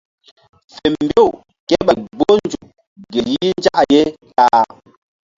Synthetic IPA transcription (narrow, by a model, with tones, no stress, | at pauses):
fɛ˨m˨bjo˦˨ | kɛ˦ɓɛ˨ɡ͡bo˦n˨˦d͡ʒu˨ | ɡe˨ji˦i˦n˦d͡ʒa˦ʔje˦ka˦